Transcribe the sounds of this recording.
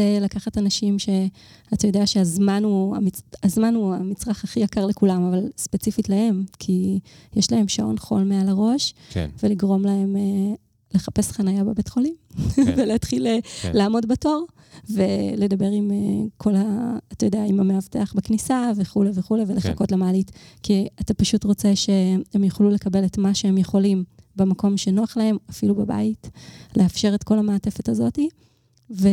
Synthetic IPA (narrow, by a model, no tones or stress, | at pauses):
elakaχatanaʃimʃe̞ | atajodeaʃeazmanua̰miazmanua̰mit͡sʁaχaχijakaʁle̞kulamavalspe̞t͡sifitlahe̞mkʰijeʃlahe̞mʃao̞̰nχo̞̰lme̞alaʁo̞ʃkveliɡʁo̞mlae̞me | le̞χape̞sχanajabebetχo̞limveleatχilelaːmo̞dbato̞ʁ | vele̞dabe̞ʁimekʰo̞laːtajodeaimameavteaχbeknisaveχuleveχuleveleχa̰ko̞tlamaːlitkiatapaʃutʁo̞t͡seʃeemjeχlule̞kabe̞letmaʃeemjeχo̞limbemako̞mʃenoaχlae̞mafilubaba̰itleafʃe̞ʁetko̞lamaːte̞fetazo̞ti | ve